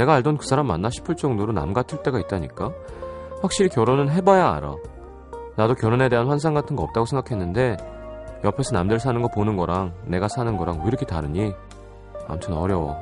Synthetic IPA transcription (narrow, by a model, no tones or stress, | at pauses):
ne̞ɡaːɭdonkɯsʰaɾamːa̰nːaɕʰi̥pʰɯɭt͡ɕ͈ʌŋdoɾona̰mɡatʰɯɭt͈e̞ɡait̚t͈aɲik͈a | ɸwak̚ɕ͈iɾikjʌɾonɯnɦe̞bajaa̰ɾa̰ | nadokjʌɾone̞de̞ɦanɸwans̬ʰaŋɡatʰɯnɡʌp̚t͈aɡosʰeŋɡakʰe̞nːɯnde̞jʌpʰe̞sʰʌnamdeɭsʰanɯnɡʌponɯnɡʌɾaŋne̞ɡasʰanɯnɡʌɾaŋoiɾʌkʰetaɾɯɲi | a̰mtʰɯnʌɾjʌw̰